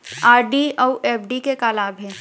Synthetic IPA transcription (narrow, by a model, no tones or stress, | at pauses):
aːɾɖiowʔɛːpɖikekaːlaːbɦɛ̃ː